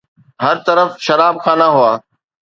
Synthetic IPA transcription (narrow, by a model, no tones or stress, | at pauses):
ɦəɾt̪əɾəfʃɐɾaːb̚kʰãːnãːɦʊaː